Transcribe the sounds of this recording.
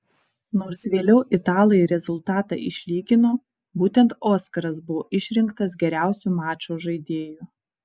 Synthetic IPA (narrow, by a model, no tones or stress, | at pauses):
noːɾsʋʲeːlʲɛʊʔɪt̪ɑːlˠɐjɾʲɛzʊlˠt̪ɑːt̪ɑ̰ːʔɪʃʲlʲiːɡʲɪnoː | buːt̪ʲɛnt̪oːskɐɾɐsbʊʋoːʔɪʃʲɾʲɪŋkt̪ɐs̬ɡʲɛɾʲæˑʊsʲumɑːt͡ʃoːʒɐɪd̪ʲeːju